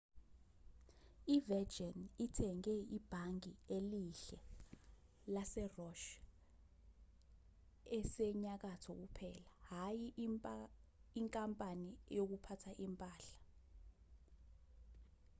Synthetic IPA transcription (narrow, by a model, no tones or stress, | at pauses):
ivɛd͡ʒɛnitʰɛŋɛib̥ʱaŋieliɬɛ | lasɛrɔʃ | ɛsɛɲak̬atʰɔk̬upʰɛːlaɦajim | iŋkʼampʼanijok̬upʰatʰaʔimpʼaːɬḁ